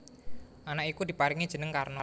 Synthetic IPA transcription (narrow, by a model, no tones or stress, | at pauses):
ʔanakikud̪̥i̤paɾiŋid̥ʒ̥ə̤nəŋkarnɔ